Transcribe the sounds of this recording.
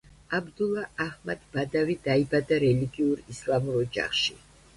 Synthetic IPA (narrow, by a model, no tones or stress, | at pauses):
abd̪ulˠaʔahmad̪bad̪avid̪aibad̪aɾɛliɡiuɾislˠamuɾɔd͡ʒa̰χʃi